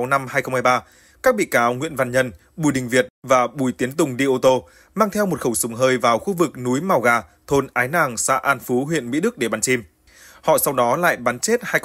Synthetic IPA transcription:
wna˧mhaː˧jxə˧wŋ͡mhaː˧jɓaː˧ | kaː˦˥k̚ɓḭ˧˨kaː˨˦wŋwḭ˧˨ənva˧˨˩nɲə˧n | ɓu˧˩jɗï˨˩ŋ̟vi˨˩ət̚vaː˨˩ɓu˧˩jt̪i˨˦ənt̪ʊ˨˩ŋ͡mɗi˧ʔo˧t̪o˧ | maː˧ŋt̪ʰɛ˧wmo˨˩t̚xə˧˩wsʊ˨˦ŋ͡mɦəː˧jvaː˨˩wxu˧vɨ˨˩k̚nu˨˦jma˨˩wɣaː˨˩t̪ʰo˧nʔaː˨˦jnaː˨˩ŋsa̰ː˧˥ʔaː˧nfu˨˦ɦwḭ˧˨ənmḭ˧˥ɗɨ˦˥k̚ɗe˧˩ɓaː˨˦nt͡ɕi˧m | hɔ̰˧˨sa˧wɗɔ˨˦la̰ː˧˨jɓaː˨˦nt͡ɕe˦˥t̚haː˧j

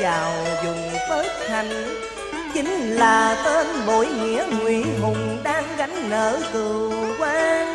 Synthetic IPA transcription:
t͡ɕaː˨˩wzʊ˨˩ŋ͡mfəː˦j̚t̪ʰa˨˩jŋ̟ | t͡ɕï˨˦ŋ̟laː˨˩t̪eː˧nɓo˧˩˦jŋḭ˧˨˥əŋwi˧˩˨mʊ˨˩ŋ͡mɗaː˧ŋɣa˨˦ŋ̟nəː˧˩˦t̪ɨ˨˩kwaː˧

